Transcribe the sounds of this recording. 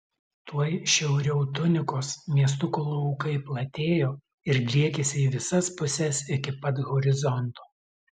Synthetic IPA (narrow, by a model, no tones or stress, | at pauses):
t̪uɔjʃʲɛʊɾʲɛʊt̪ʊnʲɪkoːsmʲiɛst̪ʊkolˠoːʊːkɐɪplˠɐt̪ʲeːjoː | ɪɾd̪ʲlʲiɛkʲesʲɪiːʋʲɪsɐspʊsʲɛsɪkʲɪpɐt̪ɣɔɾʲɪzɔnt̪oː